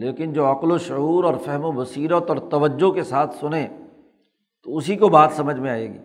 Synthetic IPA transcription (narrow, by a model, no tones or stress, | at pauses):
leːkɪnd͡ʒoːɐqloʃʊɦuːɾɔːɾfɛɦmobɐsiːɾət̪ɔːɾt̪ɐʋəd͡ʒːokesaːt̪ʰsʊnẽ | t̪oʊsikobaːt̪sɐməd͡ʒʱmẽaːḛːɡḭː